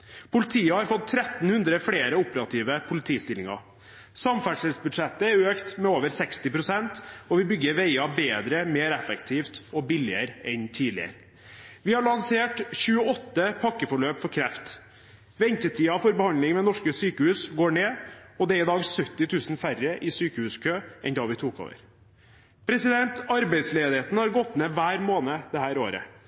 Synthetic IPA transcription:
pʰʊlɪt̪ʰiːəhɑɾfɔt̪ʰːɾɛt̪n̩hʉnd̪ɾəfɽeːɾəʊpəɾɑt̪ʰiːʋəpʰʊlɪt̪ʰiːst̪ɪlːɪ̰ŋɑ̰ | sɑmfæɖʂəlsbʉd̪ʂɛt̪ːəɛɾøːkt̪mɛoːʋəɾsɛkst̪ɪpɾʊsɛnt̪ɔʋɪbʏɡːəɾʋeɪɑbeːd̪ɾəmeːɾɛfɛkt̪ʰiːft̪ɔbɪlɪəɾɛnt̪ʰiːlɪə̰ɾ | ʋɪhɑɭɑnseːʈɕʉːəɔt̪ːəpʰɑkːəfɔɭøːpfɔɾkʰɾɛft̪ | ʋɛnt̪ət̪ʰiːɑfɔɾbəhɑnd̪lɪŋmɛnɔʂkəsyːkəhʉːsɡoːɳeːɔd̪ɛæɾɪd̪ɑːɡsœt̪ːɪt̪ʰʉːsnfærəʔɪsyːkəhʉːskʰøːʔɛnd̪ɑːʋɪt̪ʰuːko̰ːʋə̰ɾ | pʰɾɛsɪd̪ɛnt̪ɑɾbæɪd̪sleːd̪ɪheːt̪nəhɑɾɡɔt̪ːneːʋæːɾmoːnəd̪ɛhæːɾoːɾə̰

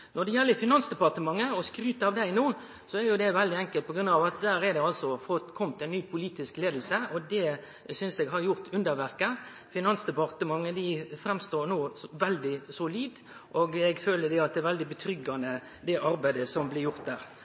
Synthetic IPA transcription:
nɔɖ̪ɛjɛlːəfɪnɑnsd̪ɛpɑʁt̪əmɑŋːəɔskɾʉːt̪əɑʋd̪æɪnuːn | sɔɛɾjʊd̪ɛʋɛld̪ɪɛŋkəlt̪̚pɔɡɾʉnd̪ɑːʋɑt̪̚d̪æːɾɛɾd̪ɛɑlsɔfɔt̪kʰɔmt̪ɛɪnːyːpʰʊliːt̪ɪskleːd̪l̩səɔd̪ɛ | sʏnsɛɡɦɑɾjʊɾt̪ʰʉnd̪əɾʋæɾkə | fɪnɑnsd̪ɛpɑʁt̪əmɑŋːəd̪ɪfɾɛmst̪oːɾnoːʋɛld̪ɪsʊliːd̪ | ʔoːɡɛɡføːləd̪ɛɑt̪̚d̪ɛæɾʋɛld̪ɪbət̪ʰɾʏɡːɑnə | d̪ɛʔɑɾbæɪd̪əsɔmblɪɾjʊɾt̪̚d̪æːɾ

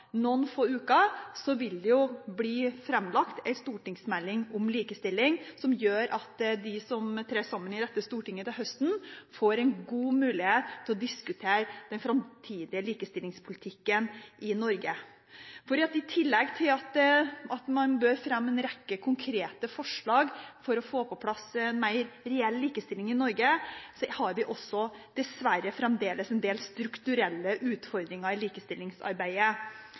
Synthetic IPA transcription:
nɔnfoːʉːkɑsɔʋɪld̪ɛjʊbliːfɾɛmːlɑkt̪ʰɛɪst̪uːʈɪŋsmɛlːɪŋɔmliːkəst̪ɪlːɪŋsɔmjøːɾʔɑt̪d̪ɪsɔmt̪ʰɾeːsɑmːənɪd̪ɛt̪ːəst̪uːʈɪŋːət̪ɪlɦœst̪nfoːɾɛɪnɡuːmʉːlɪheːt̪t̪ʰːɪlɔd̪ɪskʉt̪ʰeːɾd̪̥ɛnfɾɑmt̪ʰiːd̪ɪəliːkəst̪ɪlːɪŋspʰʊlɪt̪ʰɪkːənʔɪnɔɾɡə | fɔɖ̪iːɑt̪ɪt̪ʰɪlːɛɡt̪ʰɪlɑt̪ɑt̪mɑnbøːɾfɾɑmːɛnɾɛkːəkʰʊŋkʰɾeːt̪əfɔʂɭɑːɡfɔɾɔfoːpʰɔpʰlɑsːɛnmæɪɾɾɛɛlliːkəst̪ɪlɪŋɪnɔɾɡəshɑɾʋɪʔɔsːɔd̪̥ɛsʋæɾəfɾɛmd̪eːləsɛnd̪eːlst̪ɾʉkt̪ʉɾɛlːəʔʉːt̪fɔɾd̪ɾɪŋɑɪliːkəst̪ɪlːɪŋsɑ̰ɾbæɪə

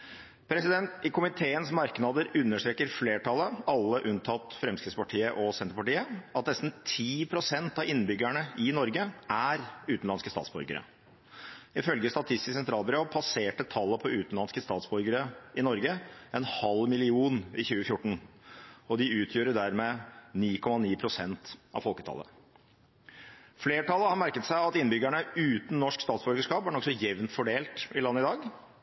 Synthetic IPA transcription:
pʰɾɛsɪd̪ɛnt̪ɪkʰʊmɪt̪ʰeːənsmɑɾknɑd̪əɾʉnːəʂʈ̪ɾeːkːəɾfleːʈʰɑlːəɑlːəʔʉnt̪ʰɑt̪fɾɛmskɾɪt̪spɑʈʰiːəʔɔsɛnt̪əɾpɑʈiːəɑt̪nɛst̪n̩t̪ʰiːpʰɾʊsɛnt̪ɑɪnːbʏɡæɳəɪnɔɾɡəʔæɾʉːt̪n̩lɑnskəst̪ɑ̰ːtsbɔɾɡə̰ɾə̰ | ɪfœlɡəst̪ɑt̪ʰɪst̪ɪssɛnt̪ʰɾɑːlbəɾopʰɑseːʈət̪ʰɑlːəpʰɔʉːt̪n̩lɑnskəst̪ɑːt̪sbɔɾɡəɾəɪnɔɾɡəɛnhɑlmɪlɪuːnɪçʉːəfjʊʈːɳ̩ | ɔd̪ɪʉːt̪ʰjøːɾəɖæɾmɛniːkʰɔmɑniːpʰɾʊsɛnt̪ʔɑ̰ʋfɔlkət̪ʰɑ̰lːə̰ | fleːʈʰɑlːəhɑɾmæɾkət̪sæɪɑt̪ɪnːbʏɡæɳəʉːt̪n̩nːɔʂkst̪ɑːt̪sbɔɾɡəʂkɑːpæɳɔksɔjɛʋnt̪fɔɖeːlt̪ɪlɑnːəɪd̪ɑːɡ

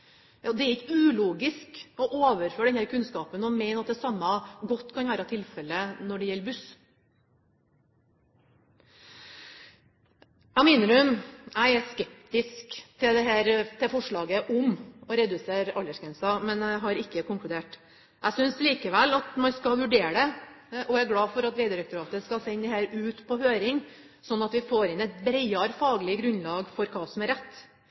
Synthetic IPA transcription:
jɑːd̪ɛæɾɪkːəʉːluːɡɪskɔʔoːʋəɾføːɖɛnhæːɾkʰʉnskɑːpənɔmɛɪnəɑt̪̚d̪ɛsɑmːɑɡɔt̪ːkʰɑnʋæːɾɑt̪ʰɪlfɛlːənɔɖɛjɛlːbʉs | æɪmɛːnəɖʉmæɪæskɛp̚t̪ɪskt̪ʰɪld̪ɛɦæːɾt̪ʰɪfɔʂɭɑːɡəʔʊmɔɾɛd̪ʉseːɾɑlːəʂkʰɛnsɑmɛnæɦɑɾɪkːəkʊŋklʉd̪eːʈ | ʔæɪsʏnsliːkəʋælɑt̪mɑnskɑʋʉɖeːɖɛʔɔæɡlɑːfɔɾɑt̪ɾɛɪd̪əɾɛkt̪ʊɾɑːt̪əskɑlsɛnːd̪ɛhæːɾʉːt̪pʰɔhøːɾɪŋ | sɔnːɑt̪ʋɪfoːɾɪnɛt̪bɾɛɪɑɾfɑːɡəlɪɡɾʉnlɑːɡfɔɾkʰɑːsɔmæɾɛt̪ː

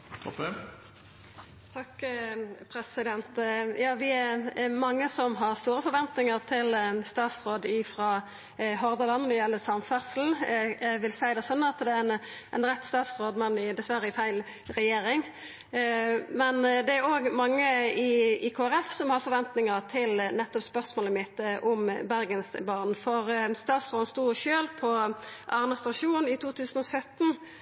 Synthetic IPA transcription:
t̪ʰɑk | pʰɾɛsɪd̪ɛnt̪jɑːʋɪæmɑŋːəsɔmɦɑʁst̪uːɾəfɔɾʋɛnt̪nɪŋəʁt̪ʰɪlst̪ɑːt̪sʁoːd̪ɪfɾɑː | ɦɔʁd̪əlɑnːɔd̪ɛjɛlːəsɑmfæʁsl̩ʋɪlsæɪd̪ɛsɔnːɑt̪d̪ɛnænʁɛt̪ːst̪ɑːt̪sʁoːd̪mɑnːɪd̪ɛsʋæɾəɪfæɪl | ʁɛjeːɾɪŋ | mɛnd̪ɛæɾoːɡmɑŋːəɪiːkʰoːæɾɛfsɔmhɑʁfɔʁʋɛnt̪nɪŋət̪ʰɪlnɛt̪ːɔpspœʁsmoːləmɪt̪ːəʔʊmbæɾɡənsbɑːʁnfɔʁst̪ɑːt̪sʁoːd̪n̩st̪uːʃøːlpʰɔʔɑːʁnəst̪ɑʃuːnɪt̪ʰuːt̪ʰʉːsənɔsœt̪n̩

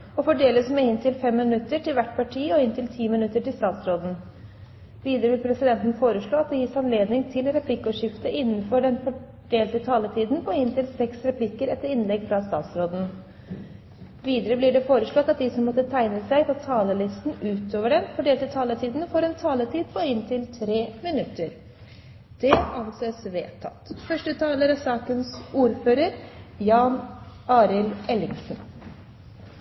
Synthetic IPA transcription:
ɔfɔɖeːləsmɛɪnt̪ʰɪlfɛmːɪnʉt̪ːəʈʰɪlʋæʈːpʰɑʈʰiːɔɪnt̪ʰɪlt̪ʰiːmɪnʉt̪ːəʈɪlst̪ɑːt̪sɾoːd̪n̩ | ʋiːd̪əɾəʋɪlpʰɾɛsɪd̪ɛnt̪n̩foːɾəʂɭoːɑt̪̚d̪ɛjɪsɑnleːd̪nɪŋt̪ʰɪlɾɛpʰlɪkːɔːʂɪft̪əʔɪnːənfɔɖɛnfɔ | ɖeːlt̪ət̪ʰɑːlət̪ʰiːd̪n̩pʰɔɪnt̪ʰɪlsɛksɾɛpʰlɪkːəɾɛt̪ːəɾɪnlɛɡfɾɑst̪ɑ̰ːt̪sɾoːd̪n̩ | ʋiːd̪əɾəblɪɖɛfoːɾəʂɭɔt̪ːɑt̪̚d̪ɪsɔmːɔt̪ːət̪ʰæɪnəsæɪpʰɔt̪ʰɑːləlɪst̪n̩ʉːt̪oːʋəɖɛnfɔɖeːlt̪ɪlt̪ʰɑːlət̪ʰiːd̪n̩fɔɾɛnt̪ʰɑːlət̪ʰiːd̪pʰɔɪnt̪ʰɪlt̪ʰɾeːmɪnʉt̪ːəɾ | d̪̥ɛʔɑnseːsʋḛːt̪ʰːɑ̰t̪ːfœʂʈət̪ʰɑːləɾɑsɑːkənsuːɾføːɾəɾjɑːnɑːɾɪlɛlɪŋsn̩

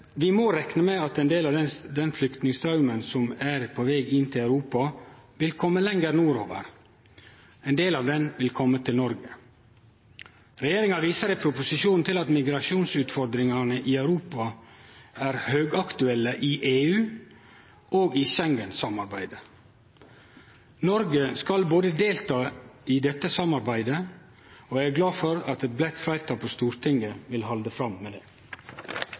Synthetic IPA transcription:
ʋɪmoːɾɛknəmeɑt̪ɛnd̪eːlɑʋ̪ɛd̪ɛnflʏkt̪nɪŋst̪ʰɾɑʉmənsɔmæɾpʰoʋeːɡɪnːt̪ʰɪlɑʉɾuːpɑʋɪlkʰɔmːəlɛŋəɾnuːɾo̰ːʋə̰ɾ | ɛɪnd̪eːlɑːʋd̪ɛnʋɪlkʰɔmːət̪ʰɪlnɔɾɡə | ɾɛjeːɾɪŋɑʋiːsəɾɛɪpʰɾʊpʊsɪʃuːnn̩t̪ɪlɑt̪mɪɡɾɑʂuːnsʉːt̪fɔɾd̪ɾɪŋɑnəʔɪɑʉɾuːpɑ | æːɾhøːɡɑkt̪ʉɛlːəʔɪʔeːʉː | ʔoːɡɪʃɛŋɡənsɑmɑɾbæɪd̪ə | nɔɾɡəskɑlboːd̪əd̪eːlt̪ʰɑːɪd̪ɛt̪ːəsɑmɑɾbæɪd̪ə | oːææɾɡlɑːfɔɾɑt̪ɛt̪̚blɛt̪fɾæɪɾt̪ʰɑːpʰost̪uːɾt̪ʰɪŋɡəʋɪlhɑld̪əfɾɑmmeːd̪eː

